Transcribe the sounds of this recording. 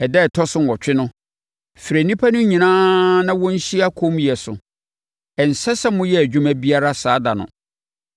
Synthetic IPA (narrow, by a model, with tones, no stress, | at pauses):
ɛ˨dɛ˦˨tʰɔ˦sʊ˦n˨ɔ˨t͡ɕᶣɪ˦nʊ̃˦ | fi˨ɾæ˨nĩ˦pʰa˦nʊ̃˦ɲĩ˨nãː˦nã˦wɔ̃˦n̩˦ɕi˦a˦kʰõ˦mjɛ˨sʊ̰˨ | ɛ˨n̩˨sɛ˦sɛ˦mʊ̃˦jɛ˦æ˨d͡ʑᶣʊ̃˦mæ˦bi˦a˦ɾa˦saː˦da˨nʊ̰̃˨